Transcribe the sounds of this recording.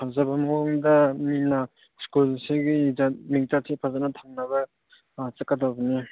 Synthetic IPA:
pʰazabamaŋdamina | skulseɡiizamiŋtat̚sʰepʰazanatʰaŋnaβa | t͡ʃakːadabɐni

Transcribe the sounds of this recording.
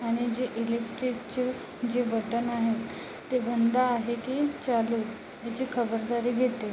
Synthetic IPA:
aɽ̃id͡ʑeʔilekʈɾikt͡ɕə | d͡ʑebʱəʈənaɦet̪ː | ebʱənd̪aːɦekiːt͡ɕaluː | jat͡ɕikʰəbəɾd̪aɾiːɡʱet̪e

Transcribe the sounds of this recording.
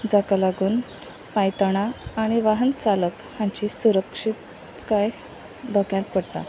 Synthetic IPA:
d͡zakalaɡuːn | pajt̪ɽ̃aːɽ̃iʋaɦənt͡salək | hãɲt͡ɕisuɾəkʂit̪ | kaj | d̪ɔkjãt̪̚pəɽt̪a̰

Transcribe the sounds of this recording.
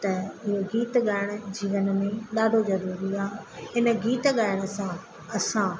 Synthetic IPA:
t̪ɐɪɦoɡiːt̪ɠaːɪɽ̃ʊ̆d͡ʑiːʋənmẽɗaːɖʱozɐɾuːɾiaːɦɪnə̆ɡiːt̪ɠaːɪɽ̃ə̆sã | ɐsãː

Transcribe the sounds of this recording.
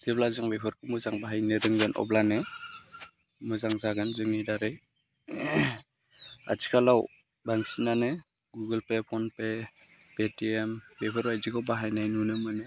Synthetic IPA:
deblazaŋbepʰɯɾkʰɯmɯzaŋbaɦajnɯɾɯŋɡɯnʔɔ̰blanɯ | mɯzaŋzaɡɯnzɯŋidaɾɯj | a̰t͡ʃʰi̥kʰalaw | baŋsinanɯ | ɡuɡɯlpepʰɔnpeb̥etiemb̥epʰɯɾbajziɡawbaɦajnajnunɯmɯnɯ

